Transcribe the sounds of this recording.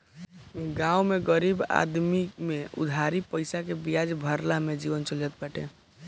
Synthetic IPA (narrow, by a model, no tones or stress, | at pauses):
ɡãumeɡəɾiba̰d̪mimeʊ̰d̪ʱaɾipəɪsakebijad͡ʒbʱəɾlamed͡ʒiʋənt͡ʃələt̪̚bəʈʰḛ̃